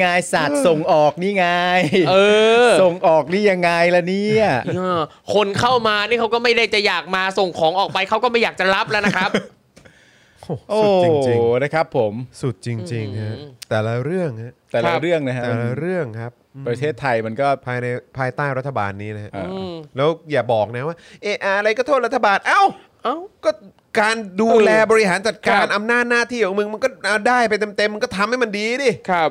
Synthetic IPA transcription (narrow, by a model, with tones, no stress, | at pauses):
ŋa˧jsa˨˩t̪̚so˨˩ŋʔɔː˨˩k̚niː˥˩ŋa˧jʔɤː˧so˨˩ŋʔɔː˨˩k̚niː˥˩ja˧ŋːa˧jlɛː˦˥niː˥˩a˨˧˩ɯ˧˥˩ | kʰo˧nkʰa˥˩wmaː˧niː˥˩kʰa˦˥wkɔː˥˩ma˥˩jda˥˩jt͡ɕa˨˩jaː˨˩k̚maː˧so˨˩ŋkʰɔː˩˦ŋʔɔː˨˩pa˧jkʰa˦˥wkɔː˥˩ma˥˩jaː˨˩k̚t͡ɕa˨˩ɾa˦˥p̚lɛ˦˥na˦˥kʰɾa˦˥p̚ | ʔoː˨˧˩ʔouː˩˧˩ŋt͡ɕt͡ɕi˧na˦˥˩kʰa˦˥pʰːo˩˦msu˨˩t̪̚t͡ɕi˧ŋt͡ɕi˧ŋha˦˥t̪ɛː˨˩la˦˥ɾɯ˥˩əŋha˦˥t̪ɛː˨˩lla˦˧ɾɯ˥˩əŋna˦˥ka˦t̪ɛː˨˩la˦˧˥ɾɯ˥˩əŋkʰa˦˥p̚ːpɾa˧t̪ʰeː˥˩t̪ʰːa˧jma˧nkɔː˥˩pʰaː˧jna˧jpʰaː˧jt̪aː˥˩jɾa˦˥t̪ʰːa˧ba̰ː˧nːiː˦˥na˦kʰa˦˧˥ʔlɛː˦˥wjaː˨˩bɔː˨˩k̚na˦˥waː˥˩ʔeː˧˩ʔaː˧a˧ɾa˧jkɔː˥˩oː˥˩t̚ɾa˥t̪ʰːa˧baː˧nʔa˧˩w | kɔː˥˩ | kaː˧nduː˧lɛː˧bɔː˧ɾi˧˥ɦaː˩˦nt͡ɕa˨˩t̪̚kaː˧nʔa˧mnaː˥˩t̪̚naː˥˩t̪ʰiː˥˩kɔ˨˦mɯ˧ŋma˧nkɔː˥˩ʔaː˧daː˥˩jpa˧jt̪̬e˧mt̪e˧mː˧nkɔː˥˩t̪ʰa˧mha˥˩jma˧ndiː˧diː˧˥˩kʰa˦˥p̚